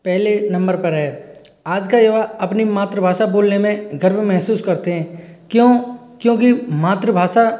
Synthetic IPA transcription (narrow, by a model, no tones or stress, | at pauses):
pɛɦlenɐ̃mbəɾpɐɾɦɛː | aːd͡ʒkajoʋaɐpnimaːt̪ɾəbʱaːʃaboːlnemẽɡɐɾmmɛɦsuːskɐɾt̪eɦɛ̃ːkjõ | kjõːk̬imaːt̪ɾəbʱaːʃa